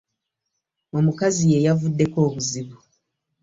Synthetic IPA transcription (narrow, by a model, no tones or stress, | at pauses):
o̞mukazije̞javudːe̞ko̞ːβuziβu